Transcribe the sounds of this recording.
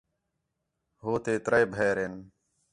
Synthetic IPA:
ɦoːt̪eːt̪ɾəeːbʱeːɾeːn

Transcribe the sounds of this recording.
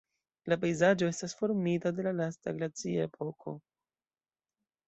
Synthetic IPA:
lap̬ejzad͡ʒo̞e̞stasfo̞ɾmitade̞lalastaɡlat͡siae̞pʰo̞kʰo̞̰

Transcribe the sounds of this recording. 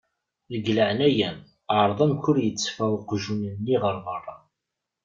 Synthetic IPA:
ðəɡləʕnæjæm | əʕɾˤðˤəmkʊɾjət͡sːfæqʒunənːiʁəɾˤðərˤːɑ

